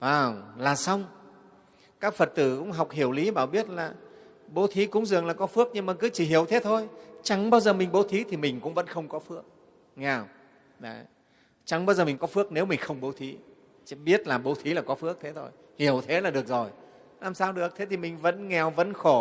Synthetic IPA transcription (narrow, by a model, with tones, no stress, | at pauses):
vaː˨˩wlaː˨˩sa˧wŋ͡m | kaː˦˥k̚fə˨˩t̚t̪ɨ˧˩kʊ̰˧˥ŋ͡mɦa˨˩wk͡p̚hi˧˩əwli˨˦ɓaː˧˩wɓi˦˥ət̚laː˨˩ | ɓo˨˦t̪ʰi˨˦kʊ̰˧˥ŋ͡mzɨ˨˩əŋlaː˨˩kɔ˨˦fɨ˦˥ək̚ɲɨ˧ŋmaː˨˩kɨ˨˦t͡ɕi˧˩ɦi˧˩əwt̪ʰe˨˦t̪ʰo˧jt͡ɕa˨˦ŋɓaː˧wzəː˨˩mï˨˩ŋ̟ɓo˨˦t̪ʰi˨˦t̪ʰi˨˩mï˨˩ŋ̟kʊ̰˧˥ŋ͡mvə̰˧˥nxə˧wŋ͡mkɔ˨˦fɨ˦˥ək̚ | ŋɛ˨˩w | ɗə˨˦ | t͡ɕa˨˦ŋɓaː˧zəː˨˩mi˨˩ŋ̟kɔ˨˦fɨ˦˥ək̚ne˨˦wmï˨˩ŋ̟xə˧wŋ͡mɓo˨˦t̪ʰi˨˦ | ɓi˦˥ət̚laː˨˩ɓo˨˦t̪ʰi˨˦laː˨˩kɔ˨˦fɨ˦˥ək̚t̪ʰe˨˦t̪ʰo̰˧j | hi˧˩əwt̪ʰe˨˦laː˨˩ɗɨ˨˩ək̚zo˨˩j | laː˨˩msaː˧wɗɨ˨˩ək̚t̪ʰe˨˦t̪ʰi˨˩mï˨˩ŋ̟və̰˧˥nŋɛ˨˩wvə̰˧˥nxo˧˩